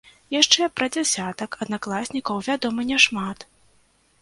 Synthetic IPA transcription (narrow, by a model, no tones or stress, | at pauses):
jaʂt͡ʂɛpɾɐd͡zʲɛsʲat̪ɐkɐd̪naklˠasʲnʲikɐwvʲad̪ɔmɨnʲɛʂmat̪